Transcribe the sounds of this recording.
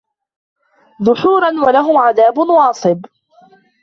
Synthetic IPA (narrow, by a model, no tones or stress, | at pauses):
ðʊħuːɾˤɑnwalaɦʊmʕaðaːbʊnwɑːsˤɨb